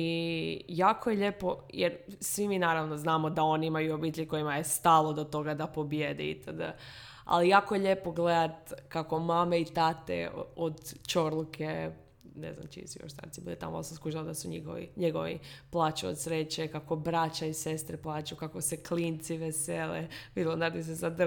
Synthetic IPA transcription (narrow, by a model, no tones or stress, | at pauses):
ijaːkojeʎepo̞jeɾsʋiminaːɾaʋnoznaːmod̪ao̞niimajuobit̪eʎko̞jimajest̪alˠod̪ot̪o̞ɡad̪apo̞bjed̪ɛḭt̪ad̪ | a̰lijaːkojeʎe̞poɡled̪at̪kako̞mameit̪at̪ḛod̪t͡ʃoɾlˠukʰe | nezna̰mt͡ʃḭsjo̰ʃst̪a̰ɾt̪ibḭlit̪a̰mo̰saskluʒald̪asuɲiɡo̰ʋḭɲeɡo̰ʋḭplˠaːt͡ʃuo̰d̪sɾet͡ɕekakobɾat͡ɕaise̞st̪ɾeplˠaːt͡ʃukakoseklint̪siʋeseːleʋid̪ilonaɾd̪is̬ezad̪